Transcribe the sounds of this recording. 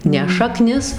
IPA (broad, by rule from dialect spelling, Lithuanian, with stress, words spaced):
ˈnʲɛ ʃɐˈknʲɪs